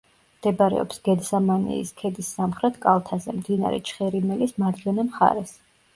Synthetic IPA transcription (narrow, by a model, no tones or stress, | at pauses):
md̪̥ɛbɾɛ̰ɔ̰psɡ̥ɛd̪zamanḭḭskʰɛd̪isːamχɾɛt̪ʰkʼalˠt̪ʰazɛmd̪ina̰ɾɛ̰t͡ʃʰχɛɾimɛlismad̪ɡɛnamχa̰ɾɛs